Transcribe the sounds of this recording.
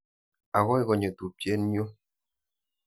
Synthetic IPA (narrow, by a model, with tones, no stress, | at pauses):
a˨ɣɔ˦i˦ɣɔ˨ɲe˨tu˨pje˦n˦ɲ˦o˦